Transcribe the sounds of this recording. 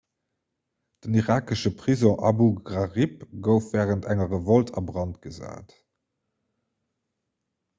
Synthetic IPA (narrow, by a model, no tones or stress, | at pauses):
d̥əniʁaːkəʃəpʁ̥izɔ̃ʔɑbuɡʁɑʁipɡəʊfv̥ɛːʁəntʰæŋəʁəvoltʰɑbʁɑntɡ̥əza̰ːt